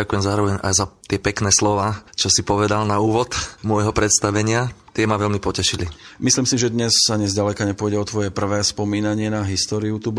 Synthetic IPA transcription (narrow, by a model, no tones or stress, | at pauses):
akujɛmzaːɾɔʋɛɲa̰jzat̪ɪɛpɛknɛːslɔʋaːt͡ʃɔsipɔʋɛd̪alnauːʋɔt̪mʊɔjɦɔpɾɛt̪st̪aʋɛɲɪat̪ɪɛmaʋɛlmipɔcɛʃilimisliːmsiʒɛd̪ɲɛsaɲɛzɟalɛkaɲɛpʊɔjɟɛɔt̪ʋɔjɛpr̩ʋɛːspɔmiːnaɲɪɛnaɦist̪ɔːɾiut̪ub